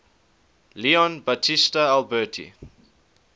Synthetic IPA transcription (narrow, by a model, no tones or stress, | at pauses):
liɔ̃nbatʰistəalbɜːtʰḭ